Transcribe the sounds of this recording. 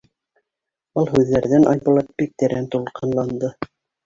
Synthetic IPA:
ɤlˠɦʉðːæɾðænʔɑ̰jbŭlˠɑt̪̚bik̚t̪ɘɾænt̪ulˠqɤ̆nlˠɑnd̪ɤ

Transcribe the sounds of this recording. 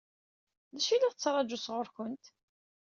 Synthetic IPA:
ðæʃilæʁt͡sːɾˤɑd͡ʒusʁʊɾkʊnt̪

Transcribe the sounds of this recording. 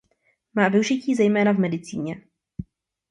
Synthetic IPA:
maːvɪuʒɪciːzɛjmɛːnavmɛdɪt͡siːɲɛ

